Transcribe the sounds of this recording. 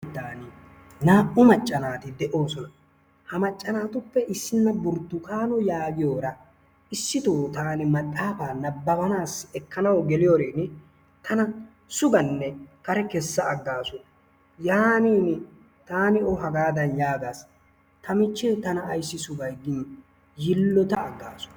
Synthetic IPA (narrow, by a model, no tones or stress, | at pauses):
t̪ːaːnɪ | naːʔʊmɐt͡ʃʼːɐnaːt̪ɪd̪ɛʔo̞ːsɔnɐ | hɐmɐt͡ʃʼːɐnaːt̪ʊpːɛʔɪsːɪnːɐbʊɾt̪ːʊkaːnɔjaːɡɪjo̞ːɾɐ | ɪsːɪt̪oːt̪aːnɪmɐt̪ʼːaːfaːnɐbːɐbɐnaːsɛkːɐnɐwɡɛlɪjoːɾeːn | t̪ʰɐnɐ | sʊɡɐnːɛkɐɾɛkɛsːɐːɡːaːsɔ | jaːniːn | t̪aːnɪɔɦɐɡaːd̪ɐnjaːɡaːs | t̪ʰɐmɪt͡ʃːeːt̪ɐnɐːjsːɪsʊɡɐjɡiː | jɪlːɔt̪ɐːɡːa̰ːsɔ̥